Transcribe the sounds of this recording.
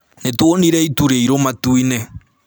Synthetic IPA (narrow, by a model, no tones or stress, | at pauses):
netwoniɾɛituɾeiɾomatuinɛ